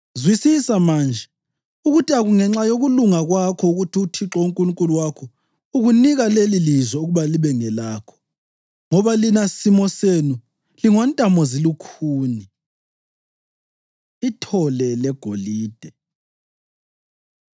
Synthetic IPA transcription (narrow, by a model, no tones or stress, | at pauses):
zwisisamaːnd͡ʒʱɛ | uɣutʰiaɣuŋɛŋ͡ǁajoɣuluŋaɣwakʰɔuɣutʰiutʰiǁɔuŋkʼuluŋkʼuluwakʰɔ | uɣuniɣalelilizwɛuɣuβaliβɛŋɛlaːkʰɔ̥ | ŋɔβalinasimɔsenu | liŋwantʼamɔzilukʰuːni | itʰɔlɛlɛɡ̥ʱoliːd̥ʱɛ